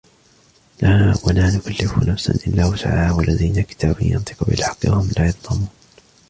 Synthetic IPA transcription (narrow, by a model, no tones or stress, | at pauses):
lawalaːnʊkalːɪfʊnafsa̰nʔɪlːaːwʊt̪a̰ʕaːwalːaðiːnakɪ̥t̪ʰaːbijɑ̰nt̪ˤɨ̥qʊbɪ̰lħɑ̥qːɨwahʊmlaːjɑt̪ˤːɑmuːn